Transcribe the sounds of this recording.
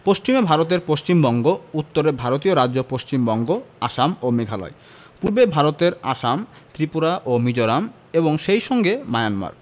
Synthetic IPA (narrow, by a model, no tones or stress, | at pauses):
poʃt͡ɕimebʱaɾot̪̬eɾpoʃt͡ɕimbɔŋɡout̪ːoɾebʱaɾot̪̬ioɾad͡ʑd͡ʑopoʃt͡ɕimbɔŋɡoaʃamomeɡʱalɔ̰e | puɾbebʱaɾot̪eɾa̰ʃam | t̪ɾipuɾaʔomid͡ʑoɾam | eboŋʃejʃɔŋɡemajanma̰ɾ